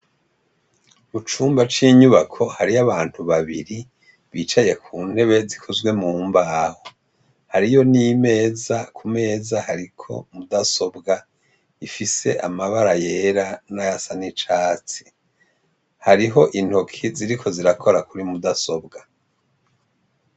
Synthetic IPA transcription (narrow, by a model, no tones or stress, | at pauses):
mut͡ʃuːmbat͡ʃiːɲuβakʰo̞haɾiaβaːn̥huβaβiɾi | βiːt͡ʃaje̞kʰuːn̥he̞βe̞zikʰozwe̞muːmbaːho | haɾijo̞nime̞ːzakʰume̞ːzahaɾikʰo̞̰mudaso̞bɡa | ifise̞̰ʔamaβaɾaje̞ɾanajasanit͡ʃaːt͡si̥ | haɾiɦo̞ʔin̥hokʰiziɾikʰo̞ziɾakʰo̞ɾakuɾimudaso̞bɡa